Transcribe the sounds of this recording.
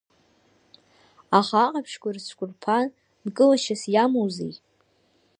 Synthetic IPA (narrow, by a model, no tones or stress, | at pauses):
aχaːqʼapʰʂkʷʼarsʷʰkʷʼʊrpʰan | dkʼɨlaʃasjamowzḛjtʼ